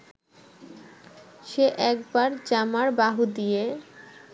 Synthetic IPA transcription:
ʃeʔɛk̚baɾd͡ʑamaɾbaɦud̪ije

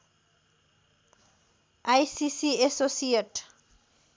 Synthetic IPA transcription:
ajsisiesosieʈ

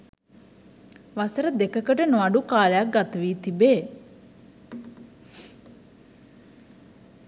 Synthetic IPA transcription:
ʋasəɾəd̪ekəkəʈənoaɖukaːlejak̚ɡat̪əʋiːt̪ibeː

